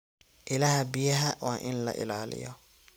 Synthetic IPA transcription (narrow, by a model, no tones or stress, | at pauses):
ʔɪlɐhɐbɪjɐɦɐwaːʔɪnlɐ̰ʔɪ̰laːlɪ̰jɔ̰